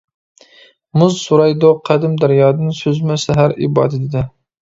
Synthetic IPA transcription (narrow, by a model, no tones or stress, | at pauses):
mʊzsuɾɑjd̪oqʰæd̪ɪmd̪æɾjɑːd̪ɪnsɵzmɛsæɦæɾɪ̰bɑ̰ːd̪ɪt̪ɪd̪ɪ